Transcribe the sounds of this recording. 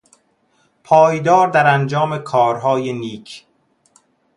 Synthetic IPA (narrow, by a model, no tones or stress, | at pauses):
pʰɒːjd̪ɒːɾd̪æɾænd͡ʒɒːme̞kʰɒːɾɦɒːjeniːkʰ